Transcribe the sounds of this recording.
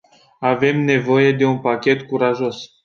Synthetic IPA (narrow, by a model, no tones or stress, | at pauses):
avɛmnevɔjed̪eɔ̃pakʲɛt̪kuɾaʒɔz